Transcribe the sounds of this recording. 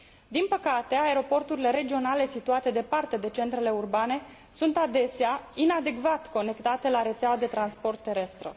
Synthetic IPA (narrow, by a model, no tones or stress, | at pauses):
d̪inpəkat̪e̞aeɾo̞po̞rt̪uɾile̞ɾe̞d͡ʒio̞nale̞sit̪uat̪e̞d̪e̞part̪e̞d̪e̞t͡ʃe̞nt̪ɾe̞le̞urbane̞ | sunt̪ad̪e̞seainad̪e̞kvat̪ko̞ne̞kt̪at̪e̞laɾe̞t̪sawad̪e̞t̪ɾanspo̞rt̪ːe̞ɾe̞st̪ɾə̰